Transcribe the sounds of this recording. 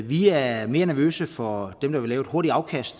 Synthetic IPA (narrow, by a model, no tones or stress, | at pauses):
ʋiæɐme̝ːɐnæɐʋø̰ːsəfɒ̽d̥emd̥ɑ̈ʋe̝lɛːʊed̥ho̝ɐɾiɑ̈ʊkʰæsd̥